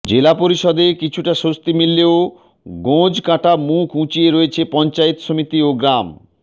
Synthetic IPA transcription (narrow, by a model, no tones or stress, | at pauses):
d͡ʑelapoɾiʃɔd̪ekit͡ɕʰuʈaʃost̪imilːeo | ɡõd͡ʑkãʈamukʰũt͡ɕieɾoet͡ɕʰepɔnt͡ɕaet̪ʃomit̪ioɡɾam